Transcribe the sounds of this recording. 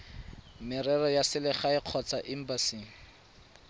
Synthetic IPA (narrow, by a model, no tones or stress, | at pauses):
mɪrɛrɔjasɪlɪχaɪq͡χʰɔt͡saʔɪm̩basiŋ̩